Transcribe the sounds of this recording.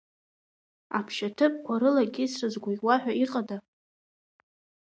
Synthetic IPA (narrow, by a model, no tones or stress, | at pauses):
apʰʃatʰɨpʼkʷʰaɾɨlaɡʲɪsrɨzɡʷajwaħᶣʷaiqʼada